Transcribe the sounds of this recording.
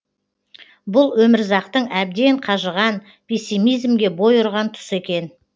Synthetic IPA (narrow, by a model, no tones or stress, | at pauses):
bʊlˠwɵmɪɾzɑqt̪əɴæb̚d̪e̞ɴqʰɑʒəʁɑn | pʲʰe̞sʲːimijzmɡʲe̞bo̞jʊɾʁɑnt̪ʰʊ̥se̞kʲe̞n